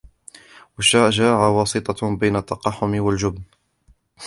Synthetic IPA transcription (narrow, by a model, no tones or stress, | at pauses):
waʃːaʒaʕawɑːsɨt̪ˤɑbajnat̪ːɑqɑħːʊmɪwald͡ʒʊbn